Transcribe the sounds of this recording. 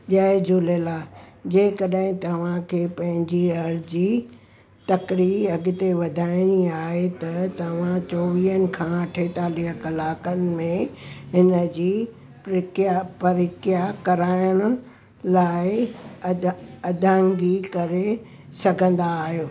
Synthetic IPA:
ʄaːɪd͡ʑulelaːd͡ʑeːkɐɗɦɪ̃t̪ɐʋ̤ãkʰeːpɐ̃ɦɪ̃ɲd͡ʑiɐɾd͡ʑiː | t̪ɐkɾiɐɡɪt̪eʋɐd̪ʱaːɪniaːɦet̪ɐt̪ɐʋ̤ãt͡ɕoːʋiːənɪ̆kʰãʈʰeːt̪aːliɦəkɐlaːkənɪ̆mẽɦɪnə̆d͡ʑiː | pɪkjapɐɾɪkjakɐɾaːjəɽ̃ʊ̆ | laːɪ | ɐd̪ʱə̃ŋɡikɐɾe | sɐɡʱə̃nd̪aːɦijoː

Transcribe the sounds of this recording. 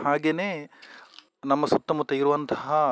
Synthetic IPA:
ɦaːɡeneː | nɐmːɐsut̪ːɐmut̪ːɐiɾuʋɐnt̪ɐɦɐ

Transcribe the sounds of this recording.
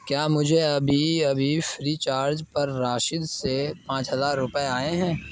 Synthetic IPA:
kjaːmʊd͡ʒʱeɐbʱiɐbʱifɾiːt͡ʃaːɾd͡ʒpɐɾːaːʃɪd̪sepãːt͡ʃɦɐzaːɾːʊpəeaːeɦɛ̃ː

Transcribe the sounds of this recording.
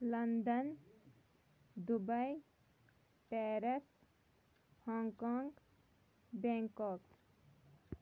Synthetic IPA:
lənd̪ən | d̪ubəj | pɛɾes | hɔŋkɔŋɡ | bẽŋkɔk

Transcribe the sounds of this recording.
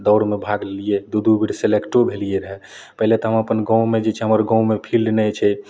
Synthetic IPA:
d̪əʊɽmebʱaɡlelijed̪ud̪ʱubʱiɽselekʈobʱelijeɾəɦɛ | pəɦilet̪ɔɦəməpənɡɔ̃wmed͡ʒet͡ʃʰɛɦəməɾɡɔ̃wmepʰilɖnɛt͡ʃʰɛ

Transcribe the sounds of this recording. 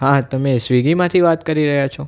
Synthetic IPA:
ɦãt̪əmesʋiɡimãt̪ʰiʋat̪kəɾiɾəɦjat͡ʃʰo

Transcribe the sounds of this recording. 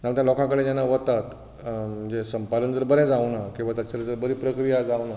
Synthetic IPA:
t̪aə̃t̪jalɔkãkəɽẽd͡ʑjanːaʋət̪at̪ | məd͡ʑesəmpalənd͡zəɾbəɾɛ̃d͡zawnakĩw̃ʋat̪jat͡ɕalad͡zəɾbəɾiːpɾəkɾijad͡zawna

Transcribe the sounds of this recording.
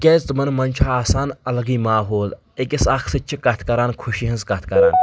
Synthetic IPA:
kʲeːzt͡smɐnmɐnʲt͡ʃʰaːsaːnɐlɐɡiːmaːɦoːl | ekʲisɐkʰsɨt͡ʃʰikɐt̪ʰkɐɾaːnkʰuʃiɦɐnzkɐt̪ʰkɐɾaːn

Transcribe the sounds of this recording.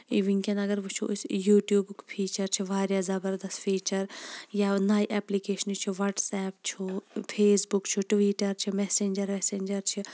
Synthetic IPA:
iʋiŋkɐnɐɡɐɾʋut͡ʃʰṵsjuːʈjuːbkpʰiːt͡ʃɐɾt͡ʃʰiʋaːɾjaːzɐbɐɾd̪ɐst̪fʰiːt͡ʃɐɾjanaːjʔɛːplikeːʃɐnt͡ʃʰuʋɐɾʈsɛːpt͡ʃʰupʰeːsbukt͡ʃʰuʈʋiːʈɐɾt͡ʃʰimɛːseːɲʲd͡ʒɐɾmɛːseːɲʲd͡ʒɐɾt͡ʃʰi

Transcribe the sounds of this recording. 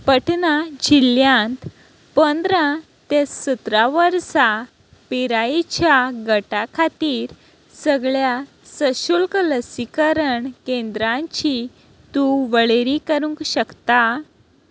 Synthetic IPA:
pəʈnad͡ʑiljãnt̪ | pənd̪ɾã | t̪esət̪ɾaʋəɾsa | piɾajt͡ɕjaɡəʈakʰat̪iːɾ | səɡɭja | səɕulkələsikəɾəɳkẽnd̪ɾãɲt͡ɕi | t̪uʋəɭeɾikəɾũŋkɕəkt̪a

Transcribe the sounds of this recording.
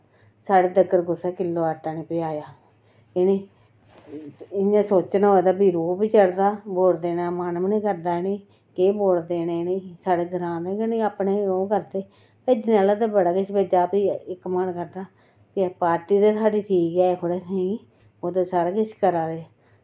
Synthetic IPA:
saːɽeːd̪əɡəɾɡʊseːkɪlːoːaːʈãːneːpɪjaːjaː | eneː | ɪnãːsoːt͡ʃnːod̪aːbiːɾoːbiːt͡ʃəɽd̪aːboːld̪eːnaːmaːnmnĩːkəɾd̪aːɪneː | keːboːld̪eːneːniːsaːɽeːɡəɾãːd̪ẽːkəniːaːpneːoːkəɾt̪eː | peːd͡ʒnaːlaːd̪eːbəɽaːkɪʃbəd͡ʒaːbiːɪkːmənkəɾd̪aː | pɪpaːɾʈiːd̪eːsʰaːɖiːt̪ʰiːkɛːekʰoɽeːsĩː | oːt̪eːsaːɾaːkɪʃkəɾaːd̪eː

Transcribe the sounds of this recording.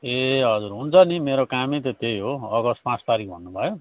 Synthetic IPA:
eɦʌd͡zuɾɦunt͡sʰʌnimeɾokamit̪ʌt̪ejɦoʌɡʌspãst̪aɾikbʱʌnːubʱʌjo

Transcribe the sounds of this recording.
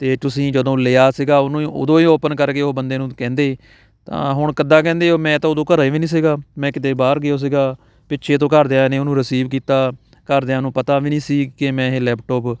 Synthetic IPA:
t̪eːt̪ʊsĩːd͡ʒəd̪õːleːaːsiɡaːʊnũːo̰ːd̪õːiːoːpənkəɾkeːoːbənd̪eːnũːkɛ̃ːnd̪eː | t̪ã̰ːɦʊɳkəd̪ãːkɛ̃ːnd̪eːoːmɛ̃ːt̪ãːʊd̪õːkəɾaiːʋiːnĩːs̬iɡaːmɛ̃ːkɪd̪eːbaːɾɡɪoːs̬ɪɡaː | pɪtːʃʰeːt̪õːkəɾd̪eːãːneːʊnũːɾəsiːbkiːt̪aː | kəɾd̪eãːnũːpət̪aːʋiːnĩːsiːɡkemɛ̃ːɦeːlɛːpʈɔːp

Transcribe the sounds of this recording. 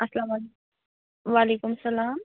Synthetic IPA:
ɐslaːmale | ʋaːlekumsɐlaːm

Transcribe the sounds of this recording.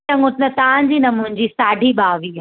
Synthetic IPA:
ɐ̃ŋɡʊt̪nɐt̪aʋãɲd͡ʑiːnɐmʊ̃ɲ̆d͡ʑisaːɖʱiɓaːʋi

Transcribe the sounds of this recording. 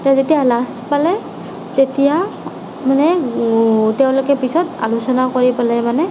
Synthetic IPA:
tazetijalaspalɛ | tetija | manɛ | tɛʊ̃lokɛpisɔta̰lusɔnakoɹipalɛmanɛ

